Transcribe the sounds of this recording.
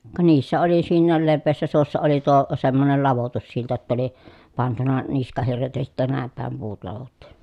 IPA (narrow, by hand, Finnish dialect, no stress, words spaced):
kɑ niːsːæ oli siːnːæːl leʋːeːsːæ suosːɑ oli tuo semːonel lɑʋotusːiltɑ tːɑ oli pɑntunɑ niskɑhirːet jɑ sitːæ næˑem pæˑem puːt lɑʋotːu̥